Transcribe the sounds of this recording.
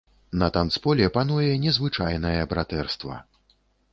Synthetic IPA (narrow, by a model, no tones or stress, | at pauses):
nɐt̪ant̪spɔlʲɛpanujɛnʲɛzvɨt͡ʂajnɐjɛbɾat̪ɛrst̪vɐ̰